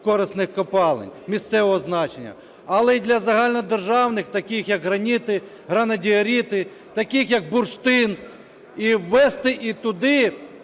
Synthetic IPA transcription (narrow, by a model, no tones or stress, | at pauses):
kɔɾɪsnɪxkɔpɑlˠḛnʲmʲist̪sɛʋɔɦɔznɑt͡ʃenʲːɐ̰ | ɐlˠɛid̪lʲɐzɐɦɑlʲnɔd̪erʒɑwnɪxt̪ɐkʲɪxjɐkɦɾɐnʲit̪ɪ | ɦɾɐnɐdʲiɐɾʲit̪ɪ | t̪ɐkʲɪxjɐk̚bʊrʃt̪ɪn | iwːɛst̪ɪʔit̪ʊd̪ɪ